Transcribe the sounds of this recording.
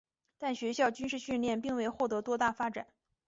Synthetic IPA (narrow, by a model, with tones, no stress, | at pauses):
t̪a˥˩nɕɥɛ˧˥ɕjɑ˥˩ʊt͡ɕy˥nʂɻ̩˥˧ɕy˥˧nljɛ˥˧npi˥˧ŋwe˥˧ɪxwɔ˥˩t̪ɤ˧˥t̪wɔ˥t̪a˥˩fa˥ʈ͡ʂa̰˨˩˦n